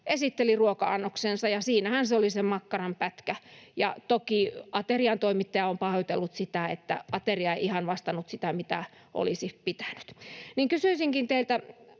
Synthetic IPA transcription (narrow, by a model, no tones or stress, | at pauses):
ʔesit̪ːeliruokɑɑnːoksensɑjɑsiːnæhænseolisemɑkːɑrɑmpæt̪kæjɑ̰t̪okiɑt̪eriɑnt̪oimit̪ːɑjɑompɑhojot̪elːut̪sit̪æḛt̪ːæ̰ʔɑt̪eriɑeiʔihɑnʋɑst̪ɑnut̪sit̪æmit̪æ | ʔo̰lisipit̪æ̥nyt̪niŋkysyisiŋkint̪eilt̪æ